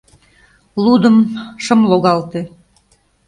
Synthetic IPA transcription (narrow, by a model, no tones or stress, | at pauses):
lud̪əmʃəmloɣɑlt̪e